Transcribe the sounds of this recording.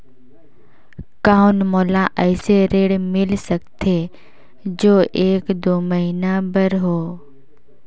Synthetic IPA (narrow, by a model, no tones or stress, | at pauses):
kaːʊnmɔːlaʔɛːseɾeːɽmɪlsək̚t̪ʰe | d͡ʒoːʔeːkd̪oːməɦinabəɾɦoː